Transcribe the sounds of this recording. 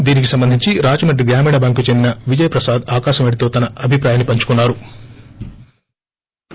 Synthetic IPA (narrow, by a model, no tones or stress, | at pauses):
d̪iːnikisɐmbɐnd̪ʱiɲt͡ʃiɾaːd͡ʒɐnɐɖiɡɾaːmiːɳɐbaːŋkut͡ʃend̪inɐʋid͡ʒɐjɐpɾɐsaːd̪aːkaːʃɐmeɽit̪o̞ːt̪ɐnɐɐbʱipɾaːjaːnipɐɲt͡ʃu̥kunːaːɾu